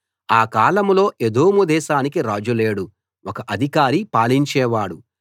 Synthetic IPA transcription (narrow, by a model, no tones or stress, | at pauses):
aːkaːlɐmlo̞ːʔed̪oːmud̪ɛːʃaːnikiɾaːd͡ʒuleːɽu | wɔkɐʔɐd̪ʱikaːɾipaːliɲt͡ʃɛːʋaːɽu